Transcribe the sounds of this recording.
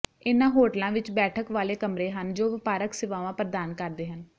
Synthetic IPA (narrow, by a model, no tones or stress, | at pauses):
ɪnãːɦoːʈəlãːʋɪt͡ʃbɛːʈʰəkʋaːleːkəmɾeːɦənd͡ʒoːʋɪpaːɾəksɪʋãːʋãːpɾəd̪aːnkəɾd̪eːɦən